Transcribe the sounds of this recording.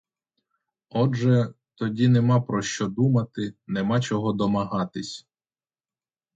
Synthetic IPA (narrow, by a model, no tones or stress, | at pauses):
ɔʒɛ | t̪ɔdʲinemɑpɾɔʃt͡ʃɔd̪umɐt̪ɪnemɑt͡ʃɔɦɔd̪ɔmɐɦɑt̪ɪsʲ